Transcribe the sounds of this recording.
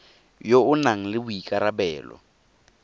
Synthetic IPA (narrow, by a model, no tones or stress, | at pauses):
joʊnaŋ̩lɪbʊikʼaɾabɛːlɔ̰